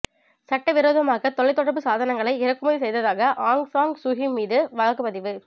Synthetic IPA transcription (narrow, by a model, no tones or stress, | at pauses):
sɐʈːɐʋɪɾoːðɐmaːɣɐt̪ɔɭɐɪt̪ːɔɽɐɾpɯsaːðɐnɐŋɡɐɭɐɪɪɾɐkːɯmɐðisɛjðɐðaːɣɐʔaːŋɡsaːŋɡsʊɣimiːðɯʋɐɻɐkːɯpɐðɪʋɯ